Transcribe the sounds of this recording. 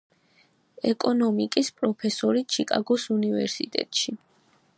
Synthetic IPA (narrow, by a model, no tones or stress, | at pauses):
ɛkʼɔnɔmikʼispʼɾɔpʰɛsɔɾit͡ʃʰikʼaɡɔsunivɛ̰ɾsit̪ʼɛ̰t̪ʼʃi